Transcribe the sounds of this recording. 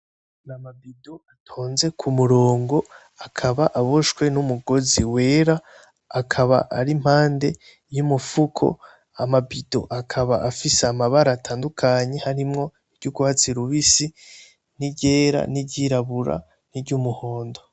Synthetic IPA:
namabidoatʰoːnze̞kʰumuɾoːŋɡo̞ | akʰaβaʔaβoʃkwe̞numuɡo̞ziwe̞ːɾaː | kʰaβa̰ʔaɾim̥haːnde̞ | jumufukʰo̞̰ | amabido̞̰ʔakʰaβa̰ʔafiseamaβaɾatʰaːndukʰaɲe̞haɾimŋo̞ | iɾɟuɡuhat͡siɾuβisi | niɟeːɾa̰niɟiɾaβuɾa̰ | niɾɟumuho̞ːndo

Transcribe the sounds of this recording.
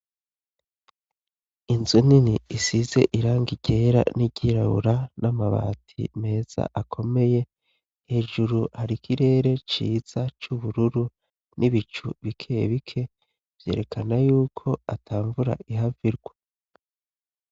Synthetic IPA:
inzuniniːsize̞̰ʔiɾaːŋɡiɟe̞ːɾa̰niɟiɾaβṵɾanamaβa̰ːtʰḭme̞ːz̥a̰ʔakʰo̞me̞je̞ | he̞ːʒuɾuhaɾikʰiɾe̞ːɾe̞t͡ʃiːz̥at͡ʃuβuɾuɾu | nʔiβit͡ʃuβikʰeḛβikʰe̞ | v̥je̞̰ːɾe̞kʰanajuːkʰo̞atʰaːɱvuɾa̰ʔiɦaviɾɡwa

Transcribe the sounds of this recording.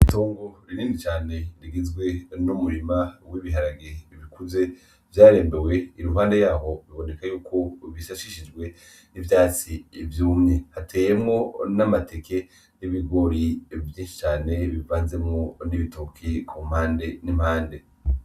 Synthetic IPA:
itoːŋɡo̞ɾiɾiːnit͡ʃaːne̞ɾiɡizɡwe̞numuɾimawiβiɦaɾaɡeβikuze̞ | vjaːɾe̞ːmbewe̞iɾuɦaːnde̞jaːɦo̞βiβone̞kajuːkʰoβisaʃiʃid͡ʒɡwe̞ | nivjaːt͡sivjuːmɲehatʰe̞ːjemŋo̞namatʰekʰe̞ | niβiɡo̞ɾivjiːnʃi̥t͡ʃaːne̞βivaːnze̞mŋo̞niβitokʰikʰum̥haːnde̞nim̥haːnde

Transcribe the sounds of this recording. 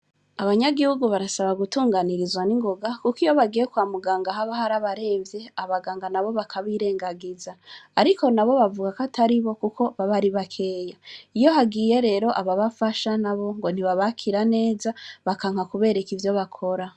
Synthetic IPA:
aβaɲaɡihuɡuβaɾasaβaɡutuːŋɡaniɾizwaniŋɡoɡakukijo̞βaɡijekwaːmuɡaːŋɡaɦaβahaɾaβaɾe̞ːɱvje̞aβaɡaːŋɡanaβo̞βakʰaβiɾe̞ːŋɡaɡizaːɾiko̞naβo̞βavuɡakatʰaɾiβo̞kukʰo̞βaβaɾiβakʰe̞ːjaijo̞ɦaɡiːje̞ɾe̞ːɾo̞ʔaβaβafaʃanaβo̞ŋɡo̞n̥iβaβakʰiɾane̞ːzaβakaŋ̥hakuβe̞ːɾekivjo̞βakʰo̞ɾa

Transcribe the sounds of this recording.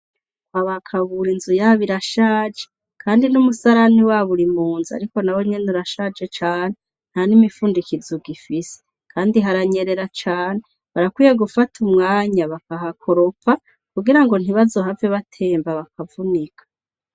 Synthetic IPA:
haβakʰaβuɾinzujaβiɾaʃaːd͡ʒe̥ | kʰaːndinumusaɾaniwaβuɾimuːnzia̰ɾiko̞nawemɲenuɾaʃad͡ʒe̞t͡ʃaːne | n̥hanimifuːndikizuɡifise̥ | kʰaːndiɦaɾaɲe̞ɾe̞ɾat͡ʃaːne | βaɾakwiːjeɡufatʰumŋaːɲaβakaɦakʰo̞ɾo̞pa | kuɡiɾaŋɡo̞n̥iβazo̞ɦavjeβatʰe̞ːmbaβakʰavunikʰḁ

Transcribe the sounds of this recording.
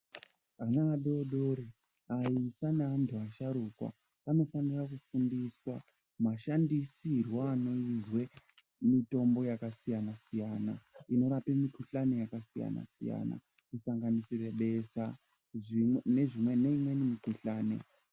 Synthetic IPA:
anaːɗoɗoːɾi | aisanaantʰuaʃaɾukwa̰ | ano̞fanirakufundiswa | maʃandisirwaːno̞izwe̞ | mito̞mbo̞jakasijanasijanaino̞ɾapemikuɬane̞jakasija̰na̰sḭja̰na̰ | kusaŋɡanisire̞ɓe̞sa | ne̞ʐimweneimwe̞nimikuɬaːnḛ

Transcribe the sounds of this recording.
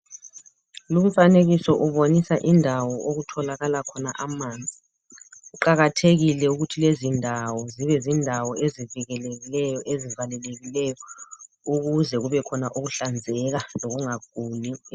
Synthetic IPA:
lumufaneɣisɔʔuβonisaʔindʱawɔʔoɣutʰɔlaɣalakʰɔnaʔamaːnd͡zʱi | uǃaɣatʰeɣilɛuɣutʰilezindʱawɔziβɛzindʱawɔeziviɣɛleɣilɛjɔʔezivalɛleɣilɛjɔ | uɣuzɛɣuβɛkʰɔnaʔuɣuɬand͡zʱɛɣaloɣuŋaɡ̥ʱuːli

